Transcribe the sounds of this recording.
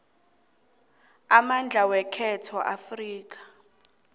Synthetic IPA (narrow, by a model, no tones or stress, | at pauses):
amand͡ɮʱawɛkʰɛtʰɔʔafriːk̬ḁ